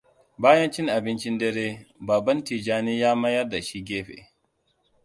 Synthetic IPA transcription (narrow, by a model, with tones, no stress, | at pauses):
baː˦jɐ˦nt͡ʃɪ˦ŋʔa˨bɪ˦nt͡ʃɪ˦ndɛ˦ɾeː˦baː˨bɐ˦ntiː˨d͡ʒaː˦niː˦jaː˦mɐ˦jɐ˦rda˨ʃi˦ɡʲeː˦ɸḛ˨